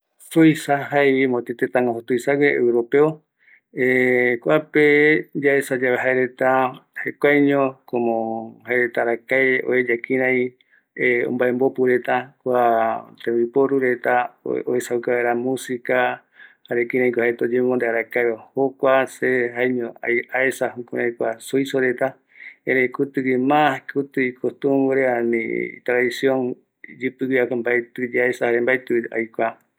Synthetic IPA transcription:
sojsaɦaeβimot̪et̪et̪ãŋãɦot̪ujsaɡeḛwɾopeo | ekʷaped͡ʒaesad͡ʒaβeɦaeɾet̪ahekʷajɲõkomõhaeɾet̪aɾakaeo̰ed͡ʒakĩɾãj̃ | eo̰mbaembopuɾe̞t̪akʷat̪ẽmbipoɾuɾe̞t̪aoesaukaeɾamũsika | haɾekĩɾ̃ãj̃kʷahet̪od͡ʒẽmõnd̪eaɾakaβahokʷaseɦaeɲõa̰aesahukuɾãĩkʷasoisoɾet̪a | ẽɾeĩkut̪ɨkimãhkʰut̪ɨikost̪ũmɾeanḭ̃t̪ɾaðisjõŋ | d͡ʒɨpɨakmbaet̪ɨd͡ʒeaesahaɾembaet̪ɨa̰jkʷa

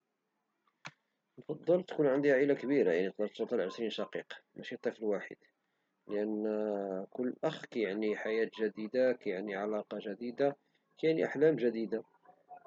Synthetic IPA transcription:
nfɑd̪ˤːɑlt̪kunʕənd̪ihʕilakbiɾajaʕnit̪d̪ˤɑɾt̪sot̪ˤɑlʕəʃɾinʃɑqiqmʔæʃit̪ˤːiflwaħə̰d̪̥ | ləʔən | kʊlːʔəxkæjaʕniħajæt̪ʒæd̪id̪akæjaʕniʕalɑqɑʒæd̪id̪a | kæjaʕnḭʔaħlæmʒæd̪id̪a

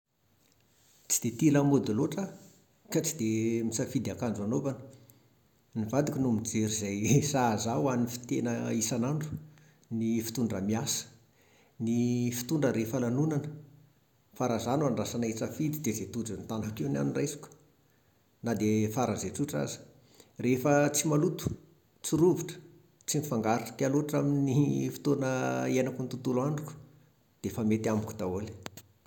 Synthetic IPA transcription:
t͡si̥d̪̥et̪iləmod̪oloʈ͡ʂə | kat͡sid̪emisəfid̪akand͡zanovanə | nivad̪ikʲinumid͡zeɾizajsazawanifi̥t̪enəisanaɳɖ͡ʐu̥ | nifi̥t̪uɳɖ͡ʐəmiasə̥ | nifi̥t̪uɳɖ͡ʐəɾefalanunanə | faɾazanuaɳɖ͡ʐasanait͡səfid̪id̪ezet̪ud͡zənt̪anakina̰niɳrajsi̥kʲ | nad̪efaɾazeʈ͡ʂuʈ͡ʂa̰zi̥ | refət͡simalut̪u̥ | t͡siɾuviʈ͡ʂə̥ | t͡simifaŋɡaɾiʈ͡ʂə̥t̪ialoʈ͡ʂaminifi̥t̪onəenakunt̪ut̪ulaɳɖ͡ʐuku̥ | d̪̥efamet̪amkʲu̥d̪aoli̥

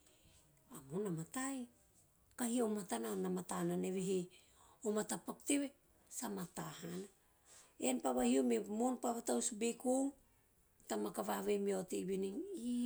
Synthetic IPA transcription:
amonamataj | kahiomatananamatananeβeɦe | omatapakteβe | samatahana | enpaβahiomemonpaβatawsbeku | tamakaβaβejmiateβiniŋ

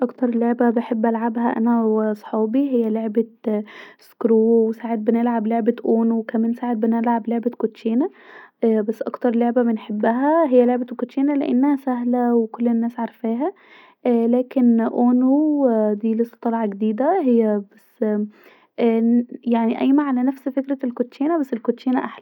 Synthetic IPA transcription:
ʔɑkt̪ɑɾˤloʕbæbeħebːʔælʕabhæʔæ̰næwesˤħɑːbiɦɪjːæloʕbe | skɾuːwesaːʕet̪̚benelʕabloʕbæʔoːnowkæmæːnsaːʕet̪̚bɪnælʕabloʕbekot̪ʃeːnæ | bæsːʔɑkt̪ɑɾˤloʕbæbɪnħebːæɦæɦejːæloʕbækot̪ʃeːnælḛʔḛnːæhæsæɦlæwekolːenːæːsʕɑɾˤfæːɦæ | læːkenʔoːnuwd̪iːlesˤːɑ̥t̪ˤɑlʕɑɡd̪iːd̪æhejːæbæsː | jaʕniʔæjmaʕalænæfsfekɾælkot̪ːʃeːnæbæsːelkoʃeːnæʔaħlæ

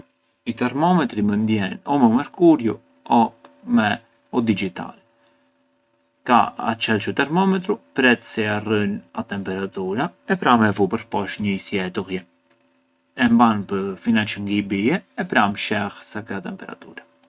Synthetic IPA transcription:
it̪ɛɾmɔmɛt̪ɾimənd̪jɛnɔmɛumɛɾkuɾju | ɔmɛ | ɔd̪id͡ʒit̪a̰l | ka̰a̰t͡ʃɛlt͡ʃut̪ɛɾmɔmɛt̪ɾupɾɛt̪sɛarənat̪ɛmpɛɾat̪uɾaɛpɾamɛvupəɾpɔʃɲəisjɛt̪uɣjɛ | ɛmbanpəfinɛt͡ʃəŋɡibiɛːpɾamʃɛxsakɾat̪ɛmpɛɾa̰t̪uɾa

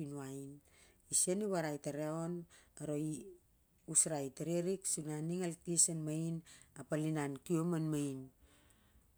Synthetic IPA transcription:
inuain | isieniβaɾajtaɾeonaɾo̞i | usɾajteɾeɾiksunaniŋaltisenmajnapalinankiomanmajn

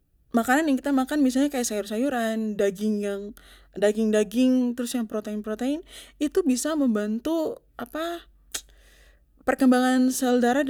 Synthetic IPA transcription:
makananjaŋkit̪amakanmisalɲakajaʔsajʊrsajuɾandaɡɪŋjaŋ | daɡɪŋdaɡɪŋt̪əɾʊsjaŋpɾot̪eɪnpɾot̪eɪnit̪ubisaməmbant̪uʔapa | pərkəmbaŋansəldaɾa

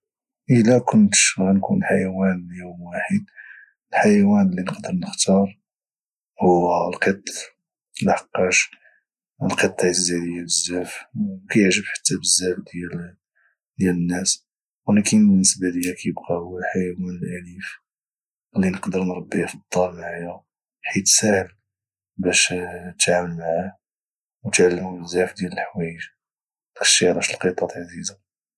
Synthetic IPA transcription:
ʔəlækʊnt̪ʃɣænkṵnlħajæwænljumwaħəd̪̚ | əlħajæwænəlːinəqd̪əɾnəxt̪ɑɾˤ | huwːælqət̪ˤː | əlħɑqːɑʃ | əlqət̪ˤːjzːæd̪əjːabəzːæfwkæjəʕʒəbħḁt̪ːæbəzːæfd̪jæl | d̪jælənːæs | wælikinbənːəsbad̪əjːækæjəbqɑħajæwænəlʔælif | lːinəqd̪əɾnɾˤɑbːifɑd̪̥ˤːɑlmaʕajæ | ħit̪sæhəl | bæʃt̪ʕaməlmaʕa | wt̪ʕalːəmubəzːæfd̪jæləlħwæjəʒ | t̪kə̥ʃiɾˤæʃəlqət̪ˤɑt̪ʕaziza

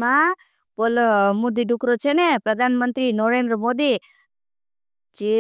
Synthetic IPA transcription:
mã | polmod̪iɖʱukɾot͡ʃʰenepɾəd̪ʱanmənt̪ɾinoɾend̪ɾəmod̪i | t͡ʃe

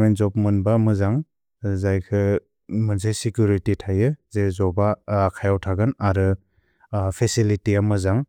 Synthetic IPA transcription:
menzɔp̚mɯnbamɯzaŋ | zajkʰɯ | mɯnzajsikjuɾititʰajɯzezɔbakʰajawtʰaɡɯnaɾɯ | pʰesilitiamɯzaŋ

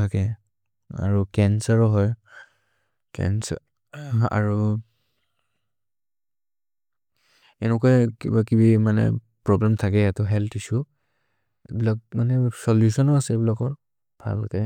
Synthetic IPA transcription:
akɛ | a̰ɹukɛnsaɹɔɦɔj | kɛ̰ns | a̰ɹu | ɛnɛkɔjkibakibimanɛ̰ | pɹɔblɛmtʰakɛjatɔɦɛltʰisu | bilak̚manɛsɔljusɔnɔasɛbilakɔɹ | bʱa̰lkɛ

